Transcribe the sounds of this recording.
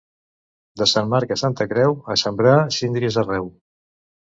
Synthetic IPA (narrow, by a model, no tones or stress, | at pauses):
d̪əsanmaɾkəsant̪əkɾɛwəsəmbɾasind̪ɾiezərɛw